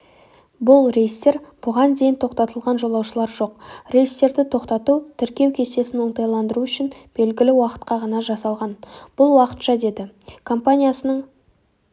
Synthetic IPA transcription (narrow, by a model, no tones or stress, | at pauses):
bʊlˠɾejist̪e̞ɾb̥ʊʁɑnd̪e̞jɪnt̪ʰo̞qt̪ɑt̪əlˠʁɑnʒo̞lˠɑwʃəlˠɑɾʒo̞q̚re̞jəst̪e̞ɾd̪ɪt̪ʰo̞qt̪ɑt̪ut̪ʰɪɾkʲe̞wkʲʰe̞st̪e̞sɪnwoɴt̪ɑjlˠɑnd̪əɾuʏʃɪnb̥e̞lɡʲɪlɪwɑqə̥t̪qɑʁɑnɑʒɑsɑlˠʁɑnb̥ʊlˠwɑqə̥t̪ʃɑd̪e̞d̪ɪkʰo̞mpanʲijasənəɴ